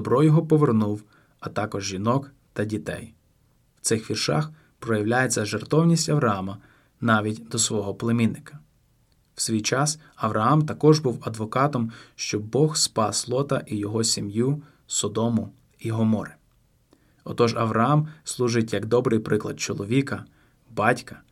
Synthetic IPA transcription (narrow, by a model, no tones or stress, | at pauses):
d̪ɔbɾɔjɔɦɔpɔʋernuw | ɐt̪ɑkɔʒʒinɔk | t̪ɐdʲit̪ɛ̰j | w̥t̪sɪxʋʲirʃɑ̰x | pɾɔjɐwlʲajet͡sʲːɐʒert̪ɔwnʲisʲtʲɐʋɾɐɑmɐ | nɑʋʲitʲd̪ɔsʋɔɦɔplˠemʲinːɪkɐ̥ | w̥sʲʋʲijt͡ʃɑs | ɐʋɾʔɐɑmt̪ɐkɔʒbuwɐd̪ʋɔkɑt̪ɔmʃt͡ʃɔbɔxspɑslˠɔt̪ɐ̰ʔijɔɦɔsʲimju | sɔd̪ɔmʊ | iɦɔmɔɾɪ | ɔt̪ɔʒɐʋɾɐɑmslˠuʒɪtʲjɐɡd̪ɔbɾɪjpɾɪklˠɐ̰d̪̚t͡ʃɔlˠɔʋʲikɐ | bɑtʲkɐ